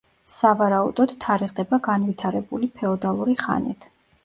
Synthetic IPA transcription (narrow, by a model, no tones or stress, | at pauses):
savaɾaud̪ɔd̪̥t̪ʰːaɾiʁd̪ɛbaɡanvit̪ʰaɾɛbulipʰɛɔd̪alˠuɾiχa̰nit̪ʰ